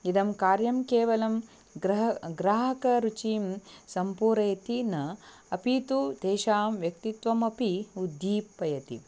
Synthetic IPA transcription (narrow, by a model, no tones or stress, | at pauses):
id̪ɐmkaːɾjɐmkeːʋɐlɐm | ɡɾɐɦɡɾaːɦɐkɐɾut͡ʃiːmsɐmpuːɾɐjt̪inɐ | ɐpit̪ud̪ʱeːʃaːmʋjɐkt̪it̪ʋɐmɐpiud̪ʱːiːpːɐjɐt̪ḭ